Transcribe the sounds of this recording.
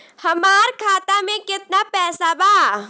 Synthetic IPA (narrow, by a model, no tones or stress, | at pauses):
hɐmaːɾkʰaːt̪amẽkɪt̪napɛːsabaː